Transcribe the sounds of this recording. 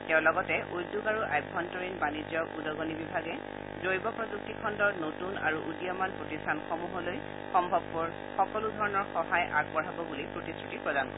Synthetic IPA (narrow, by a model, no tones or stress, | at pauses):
tɛʊ̃lɔɡɔtɛʔojdːuɡaɹuʔa̰jbʱːɔntɔɹinbanid͡ʒjɔudɔɡɔnibibʱaɡɛ | zojbɔpɹɔzuk̚tikʰɔndɔɹnotuna̰ɹuʔudijɔmanpɹotistʰanxɔmuɦɔloj | xɔmbʱɔbːɔɹ | xɔkɔludʱɔɹɔnɔɹxɔhajʔa̰ɡ̚pɔɹ̤ɦabɔbulipɹotistɹutipɹɔdankɔ